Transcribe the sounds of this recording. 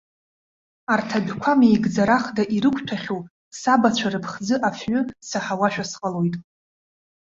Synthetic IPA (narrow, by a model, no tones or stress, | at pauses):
artʰabᶣkʷʰamijɡd͡zaɾaχdaʔiɾɨkʷʰʼtʷʰaχʲow | sabat͡ɕʷʰaɾɨpʰχd͡zɨʔafɥʊsaħawaʃᶣasqʼalo̞jtʼ